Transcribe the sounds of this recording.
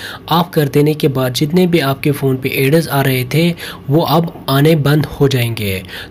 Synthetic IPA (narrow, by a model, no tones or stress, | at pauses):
aːp̚kɐɾd̪eːnekebaːd̪̚d͡ʒɪt̪̬nebʱiaːp̚kefoːnpeʔeːɖəɾzaːɾɐɦet̪ʰeʋoʔɐbaːnebɐ̃nd̪hod͡ʒaːẽːŋɡeː